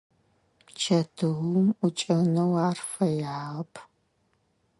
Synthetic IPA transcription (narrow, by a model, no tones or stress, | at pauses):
t͡ʃʰɐtʰɨɣʊmut͡ʃʼɐnɐwaːrfɐjaʁɐpʰ